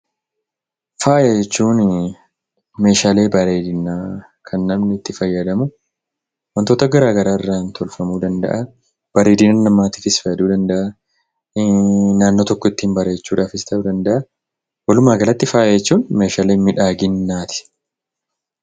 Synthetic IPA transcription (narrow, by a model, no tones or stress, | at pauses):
faːjt͡ʃːuːn | me̞ːʃaːle̞ːbɐɾe̞ːd̪ɪnːaː | kʰɐnːɐmnɪt̪ːɪfɐjːɐd̪ɐmʊ | wɔnt̪oːt̪ɐɡɐɾaːɡɐɾaːɪrːaːnt̪ʰɔlfɐmuːd̪ɐnd̪ɐ̰ʔɐ | b̥ɐɾeːd̪ɪnɐnːɐmːaːt̪ɪfɪsfɐjːɐd̪uːd̪ɐnd̪ɐʔɐ | naːnːoːt̪ɔkːɔɪt̪ːiːmbɐɾe̞ːt͡ʃːuːᶑaːfɪst̪ʰɐud̪ɐnd̪ɐʔɐ | wɐlʊmaːɡɐlɐt̪ːɪfaːjet͡ʃːuːnme̞ːʃaːle̞ːmɪᶑaːɡɪnːaːt̪ɪ̥